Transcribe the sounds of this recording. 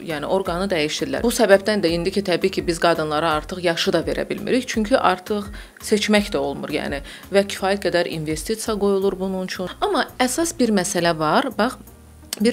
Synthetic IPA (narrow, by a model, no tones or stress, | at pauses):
jæːnɪ̰ʔo̞ɾɡɑnɯd̪æjiʃd̪iɾlæ̰ɾbusæbæbd̪ænd̪æind̪icʰit̪ʰæbiːcʰibizɡɑd̪ɯnlˠɑɾɑɑɾt̪ʰɯχjɑʃɯd̪ɑve̞ɾæ̰bilmḭɾiçt͡ʃʰyɲcʰyʔɑ̰ɾt̪ʰɯχ | se̞t͡ʃmæçd̪æo̞lˠmuɾjæ̰ːni | væcʰi̥fɑːjæt̪̚ɡæd̪æɾʔḭnve̞st̪it̪sijɑɡo̞julˠuɾbununt͡ʃʰuɑmɑæsɑsbiɾmæsælævɑɾbɑχ | biɾ